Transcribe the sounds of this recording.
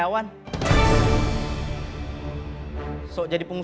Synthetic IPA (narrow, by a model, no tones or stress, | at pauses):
awan | sɔʔd͡ʒadipuŋu